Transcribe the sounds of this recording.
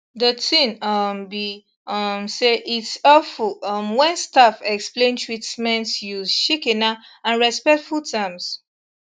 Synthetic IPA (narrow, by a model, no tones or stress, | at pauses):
dətʰĩnʌmbi | ʌmseʔitsɔfulʌmwɛ̃nstafɛksplẽntʰɹitmɛ̃ntjuzʃikɛ̃naãnɹɛspɛk̚tfultʰãms